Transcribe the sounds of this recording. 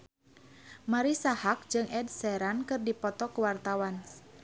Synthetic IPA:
maɾisahak̚d͡ʒɨŋʔɛdsɛɾankɨrdipɔt̪ɔkuwart̪awan

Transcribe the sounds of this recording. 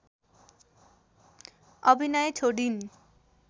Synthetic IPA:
ʌbʱinʌjt͡sʰoɽin

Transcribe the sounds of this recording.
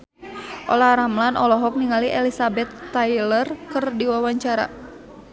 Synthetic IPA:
ʔɔ̰laɾamlanʔɔlɔɦɔk̚niŋaliʔɛlisabɛt̪ːajlərkɨrdiwawaɲt͡ʃaɾa̰

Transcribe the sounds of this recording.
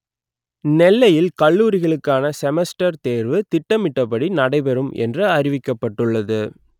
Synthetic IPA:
nɛlːɐjɪlkɐɭːuːɾɪɣɐɭɯkːaːnɐsɛmɛsʈɐɾt̪eːɾʋɯt̪ɪʈːɐmɪʈːɐpːɐɽinɐɽɐɪpɛɾɯmʔɛ̰ndrɯɐrɪʋɪkːɐpːɐʈːɯɭːɐðɯ

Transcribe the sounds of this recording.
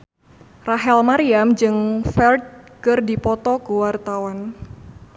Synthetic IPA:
raɦɛlmaɾiamd͡ʒɨŋfɛld̪̚kɨrdipɔt̪ɔkuwart̪awan

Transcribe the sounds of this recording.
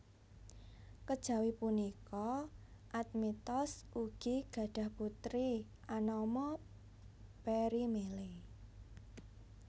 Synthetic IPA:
kəd̥ʒ̥a̤wipunikɔʔat̪̚mit̪ɔsʔuɡ̥i̤ɡ̥ä̤ɖ̥a̤hput̪ɾi | anɔmɔ | peɾimele

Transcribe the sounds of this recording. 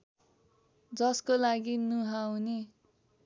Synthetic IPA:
d͡zʌskolaɡinuɦawne

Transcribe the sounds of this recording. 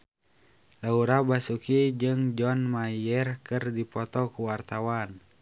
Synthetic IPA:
lauɾabasukid͡ʒɨŋd͡ʒɔnmajɛrkɨrdipɔt̪ɔkuwart̪awan

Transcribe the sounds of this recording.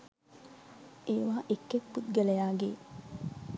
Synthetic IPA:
ʔeːʋaːʔekːekput̪̚ɡelejaːɡeː

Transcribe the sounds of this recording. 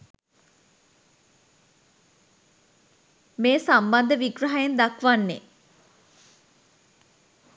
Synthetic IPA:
meːsamband̪əʋiɡɾəɦajend̪akʋanːḛ

